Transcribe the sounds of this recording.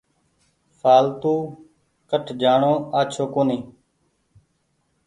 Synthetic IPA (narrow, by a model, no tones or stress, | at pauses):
fʰaːlt̪uː | kəʈʰd͡ʒaːɳõːaːt͡ʃʰoːkoːniː